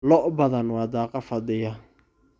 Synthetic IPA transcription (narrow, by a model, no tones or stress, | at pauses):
lɔʔbɐðɐnwɑːd̪aːqɑfɐd̪ɪjɐ